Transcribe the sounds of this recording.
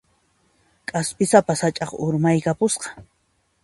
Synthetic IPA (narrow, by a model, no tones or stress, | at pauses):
kʼaspɪsapasat͡ʃʼɑχʊɾmajkapʊsqɑ̥